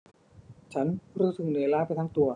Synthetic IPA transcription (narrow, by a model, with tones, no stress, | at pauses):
t͡ɕʰa˦˥nɾuː˦˥sɯ˨˩neː˨˧˦laː˦˥˩pa˧jt̪ʰaː˦˥ŋt̪u˧ɐ